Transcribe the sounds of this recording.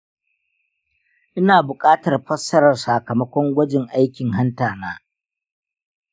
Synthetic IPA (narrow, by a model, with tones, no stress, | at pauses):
ʔɪ˦naː˨bʊ˨kʼaː˦tɐ˨rɸɐ˦sːɐ˦ɾɐ˨rsaː˨kɐ˨mɐ˦kʷɔ˦ŋɡʷɐ˦d͡ʒɪ˨ŋʔa˦jkʲɪ˨ŋɦa˦ntaː˨naː˦